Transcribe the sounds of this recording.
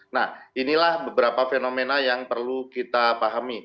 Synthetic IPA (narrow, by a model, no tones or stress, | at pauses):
nahinilahbəbəɾapafenomenajaŋpərlukit̪apaɦami